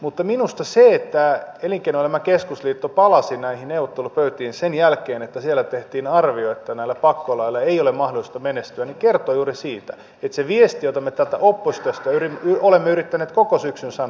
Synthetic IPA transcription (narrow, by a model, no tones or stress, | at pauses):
mut̪ːɑminust̪ɑseet̪ːæeliŋkeinolemːɑkeskusliːt̪ːopɑlɑsinæihinneuʋot̪ːelupøyt̪iːnsenjælkeːnet̪ːæsielːæt̪eht̪iːnɑrʋioet̪ːænæilːæpɑkːolɑilːɑeijolemmɑhdolist̪ɑmenest̪yænikert̪ojuːrisiːt̪æ̰ | et̪seʋiest̪ijot̪ɑmːet̪ælt̪æ̰ʔopːost̪øst̪æyrimyolemːeyɾit̪ːæneːt̪kokosyksynsɑn